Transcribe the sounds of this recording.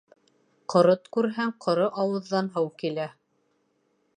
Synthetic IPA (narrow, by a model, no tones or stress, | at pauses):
qʰŏɾɤt̪kʉɾɦæŋqʰŏɾɤʔɑwɤ̆ðːɑnɦɤwkilæ